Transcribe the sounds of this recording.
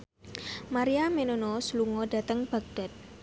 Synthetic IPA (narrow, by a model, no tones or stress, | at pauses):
maɾiamenonosluŋɔda̤t̪əŋb̥a̤k̚d̥a̤t̪̚